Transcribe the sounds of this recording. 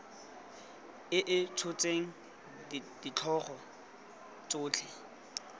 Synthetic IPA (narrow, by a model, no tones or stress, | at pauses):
ɪʔɪt͡sʰʊt͡sʼeŋ̩ | d̥it͡ɬʰɔχɔ | t͡sʼʊːt͡ɬʰe